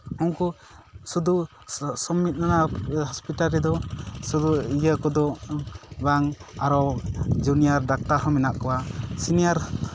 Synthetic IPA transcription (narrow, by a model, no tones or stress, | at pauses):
ɔŋku | sud̪u | sɔmːit̪̚nanahɔspiʈalɾɛd̪ɔsud̪uijakɔd̪ɔ | baŋaɾɔd͡ʒunijaɾɖak̚t̪aɾɦɔmɛnaʔkɔwasinijaɾ